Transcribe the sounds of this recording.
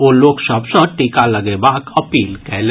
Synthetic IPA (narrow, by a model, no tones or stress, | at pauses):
oːloːkʃəbsə̃ʈikalɐɡebaːkɐpiːlkɛɦle